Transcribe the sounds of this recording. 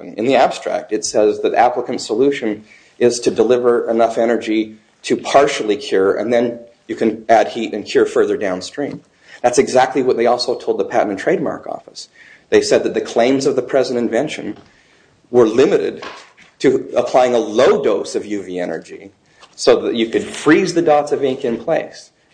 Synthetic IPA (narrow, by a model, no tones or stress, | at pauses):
ɨ̃nðiæb̥stɹ̥æ̰k̚tɨtsɛzðɨɾæ̰pləkɨ̃n̩tsəlʉʃɨ̃n | ʔɪz̥tʰɨdəlɪvə˞ʔɨnʌfɛnə˞d͡ʒi | ɾɨpʰɑɹʃl̩ˠikʰj̥ʊɹɨ̰̃nðɨ̃n | jɨkʰɨ̃næd̚hiɾɨ̃nkʰj̥ʊɹfɜ˞ðə˞dãʊ̃nstɹ̥ĩm | ðætsɨɡzæk̚tˡliwʌt̪̚ðeɪɔlˠsoʊtʰoʊld̪̚ðəpʰæ̰ʔn̩n̩tʰɹ̥eɪd̚mɑ̰ɹkɔ̰fəs | ðeɪsɛd̪̚ðɨt̪̚ðɨkʰl̥ẽɪ̃mzʌvðɨpʰɹ̥ɛzɨ̃ntɨ̃ɱvɛ̃nʃɨ̰̃n | wə˞lɪ̃mɨɾɪ̰d̚ | tʰɨəpʰl̥aɪɪ̃ŋəloʊdoʊsʌvjʉviɛnə̰˞d͡ʒi | soʊðɨ̰t͡ʃɨkɨd̥fɹizðɨdɔtsʌvɪ̃ŋkɨ̃npʰl̥eɪs